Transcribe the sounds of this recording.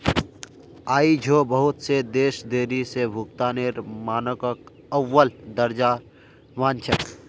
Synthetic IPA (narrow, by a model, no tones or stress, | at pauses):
aːid͡ʒʱobəɦʊt̪sed̪eːʃd̪eːɾisebʱʊkt̪aːneɾmaːnəkək | əwːəld̪əɾd͡ʒa | maːnt͡ʃʰək